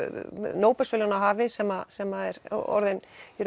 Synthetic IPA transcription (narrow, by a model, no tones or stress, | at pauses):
noːwpɛsfɪlanaɦaːvɪsɛmasɛmːaðɛɾɔ̰ɾðɪnɾ